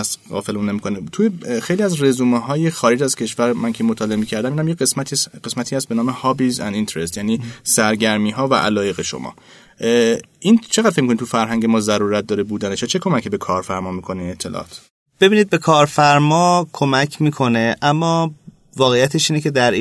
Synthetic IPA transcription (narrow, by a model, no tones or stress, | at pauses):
æsɣɒ̰ːfe̞leunːemikʰo̞net̪ʰujexejliæzre̞zuːmeɦɒːjexɒːɾed͡ʒæz̥cʰe̞ʃvæɾmæncʰemot̪ʰɒːle̞emiːcʰæɾd̪æminæmjeesmæt̪ʰiɢesmæt̪ʰiːhæst̪̚benɒːmehɒːbizæ̰nd̪int̪eɾest̪jæːniːsæɾɟæɾmiːɦɒːvæ̰ʔæ̰lɒːje̞ɣe̞ʃo̰mɒ̰ː | ʔint͡ʃʰeɣæd̪̥fecmikonid̪t̪ufæɾɦæŋɟemɒːzæɾuːɾæt̪̚d̪ɒːɾebuːd̪æneʃɒt͡ʃʰekʰo̞mæcʰibe̞kʰɒːɾfæɾmɒːmiːkʰo̞neinet̪ʰːe̞lɒ̰ːɒ̰ːt̪ | b̥e̞biːnid̪̚be̞kʰɒːɾfæɾmɒːkʰo̞mæcʰmiːkʰo̞ne̞ʔæmːɒː | vɒːɣejæt̪ʰeʃiːne̞cʰe̞d̪æɾ